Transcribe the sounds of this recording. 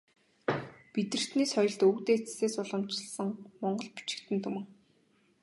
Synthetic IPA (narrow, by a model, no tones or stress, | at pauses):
pit̪ɘ̆r̥t̪niːsχɔjɞ̆ɮt̪ɵkt̪eːt͡sseːsʊɮə̆mt͡ɕɪɮsə̆ŋmɔɴɢɞ̆ɮpi̥t͡ɕɪ̥̆kt̪ɘ̆nt̪ʰɵmɵ̆ŋ